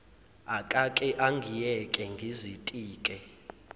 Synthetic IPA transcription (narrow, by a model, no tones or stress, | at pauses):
akʼakʼɛʔaŋɡʱijɛkʼɛŋɡʱizitʼiːkʼɛ